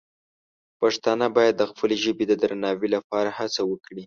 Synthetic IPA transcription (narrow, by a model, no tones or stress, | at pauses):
pɑʂt̪ɑnabɑjad̪ːəxpəleʒəbed̪əd̪ɾanɑwilapɑɾahat͡sawəkɽi